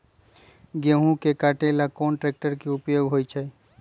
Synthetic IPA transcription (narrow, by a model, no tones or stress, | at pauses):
ɡeɦũkekaʈelakɔːnʈɾek̚ʈəɾkeʊpjoːɡɦoːjt͡ʃʰa